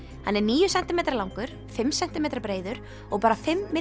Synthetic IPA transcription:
hanːɛɾniːjʏsɛnt̪ɪmejt̪aɾlawŋkʏɾ̥ | fɪmsɛnt̪ɪmeːjt̪ɾaɾpɾeːjðʏɾ̥ | ɔɣpaːɾafɪmːɪ

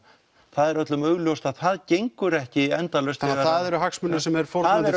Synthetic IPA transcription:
θaðɛɾœt̪lʏmœɣljɔwst̪aðθaðcejŋkʏɾɛhcɪɛnt̪alœɥst̪ɣaaðɛɾʏɦaksmʏnːʏsɛmɛɾ̥fɔɾaaɾ

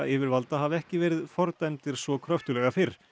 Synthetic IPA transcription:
ɪvɪɾvalt̪aɦavɛhcɪvɛːɾɪðfɔɾt̪ɛnt̪ɪɾ̥svɔkʰɾœft̪ʏlɛːɣafɪɾ̥

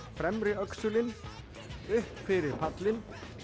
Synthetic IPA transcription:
fɾɛmɾɪœksʏlɪn | ʏhpfɪɾɪɾpʰat̪lɪn

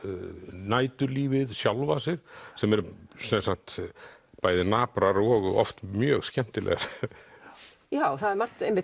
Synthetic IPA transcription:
naːjt̪ʏɾliːvɪðsjawlvasɪɾ̥sɛmɛɾsɛnsak̚t̪paːjðɪnaːpɾaɾɔɣɔ̰ft̪mjœːɣscɛm̥t̪ɪlɛ̰ɣaɾ̥ | jawθaðɛɾmar̥t̪ejmːɪ

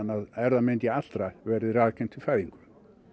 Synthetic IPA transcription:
nːaðɛɾðament̪jɛat̪l̥t̪ɾavɛɾɪðraːðkʰɛnt̪ʰɪfaːɥðiŋkʏm

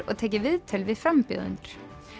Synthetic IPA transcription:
ɔ̰t̪ʰɛːjcɪvɪðt̪ʰɪlʋɪðfɾampʏ̰ðʏ̰nt̪ɾ̥

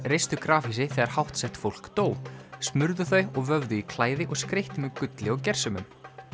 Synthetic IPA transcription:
rejst̪ʏkɾaːfisɪθɛɣðaɾ̥hawht̪sɛht̪fowl̥kt̪oːwsmʏɾðʏθœɥɔɣvœvðʏikʰlaːjðɪʔɔɣskɾejht̪ɪmɛkʏt̪lɪɔɣcɛr̥sʏmʏm

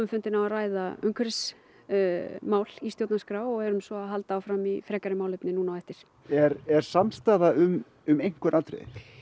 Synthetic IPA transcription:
ʏmfʏnt̪ɪnavaraːjðaʏŋkʰɾs | maːwl̥ist̪jowt̪naskɾaːwɔɣɛɾʏmsɔaðɦalt̪aawfɾamifɾɛːkaɾɪmaːwlɛpnɪnuːnawɛft̪ɪɾ̥ | ɛɾɛɾ̥samst̪aːðaʏm | ʏmejŋ̥kʏɾʔat̪ɾḛ

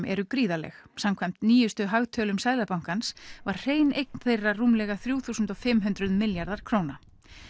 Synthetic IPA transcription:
mʔɛ̰ɾʏkɾiːðalɛ̰xsamkʰvajm̥t̪niːjʏst̪ʏɦaɣt̪ʰœlʏmsajðlapawŋ̥kansvaɾ̥r̥eːjnejkn̥θejrːaruːmlɛɣaθɾjuːθuːsʏnt̪ɔfɪmɦʏnt̪ɾʏðmɪljaɾðaɾ̥kʰɾoːwna

